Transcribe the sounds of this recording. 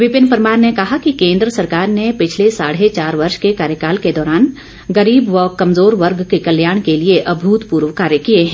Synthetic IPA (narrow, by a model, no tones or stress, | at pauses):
ʋɪpɪnpɐɾmaːɾnekɐɦakikẽːnd̪ɾəsɐɾkaːɾnepɪt͡ʃʰlesaːɽ̤et͡ʃaːɾʋɐɾʃkekaːɾjəkaːlked̪ɔːɾaːn | ɡɐɾiːbʋɔːkɐmzoːɾʋɐɾɡkekɐljaːɽ̃kelieʔɐbʱuːt̪puːɾʋkaːɾjəkieɦɛ̃ː